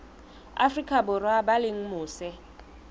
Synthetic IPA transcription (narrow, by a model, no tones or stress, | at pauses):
a̰frikʼʰaɓɔrwaɓaleŋ̩muːsɛ